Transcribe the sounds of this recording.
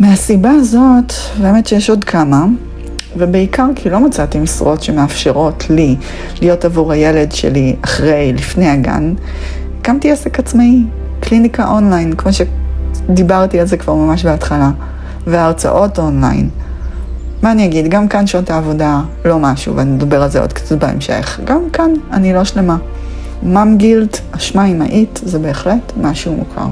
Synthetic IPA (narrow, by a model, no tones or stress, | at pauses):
measibaːzo̞t | beːme̞tʃejeʃodkʰama | vebeikʰaʁkʰilo̞mat͡sat̪imisuʁo̞tʃe̞meafʃeʁo̞tʰli | lijo̞tavuʁhajele̞dʃḛliaχʁe̞jlifne̞jaɡa̰n | kamtiesekat͡smij | klinikaʔo̞nlajnkmo̞ʃed̪ibaʁtialzekv̥aʁmamaʃ̬beatχala | veaːʁt͡sa̰ʔo̞to̞nla̰jn | maːniaɡidɡamkanʃont̪aːvo̞da | lo̞maʃṵveaninedabeʁalzeod̥kḁt͡suvbaḛmʃḛχɡamkananilo̞ʃle̞ma | mamɡiltaʃmaimaʔitzebe̞ːχle̞tmaʃumṵkʰa̰ʁ